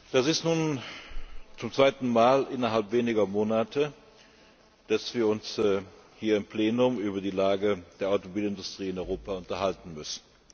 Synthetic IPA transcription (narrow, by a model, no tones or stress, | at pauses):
d̥asɪstnuːn | t͡sʊmt͡sv̥aɪtn̩maːlʔɪnɐɦalpv̥eːnɪɡɐmoːnatʰə | d̥asv̥iːɐʊnshiːɐɪmpleːnʊmyːbɐdiːlaːɡəd̥eːɐaʊtomobiːlɪndʊstʁ̥iːɪnɔʏʁoːpaʊntɐhaltn̩mʏsn̩